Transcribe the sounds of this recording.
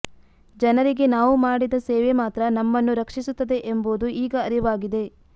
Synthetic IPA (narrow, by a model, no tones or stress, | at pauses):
d͡ʒɐnɐɾiɡe̞naːʋumaːɽid̪ɐsɛːʋemaːt̪ɾɐnɐmːɐnːuɾɐkʂisut̪ːɐd̪e̞ʔemboːd̪uʔiːɡɐːɾiʋaːɡid̪e̞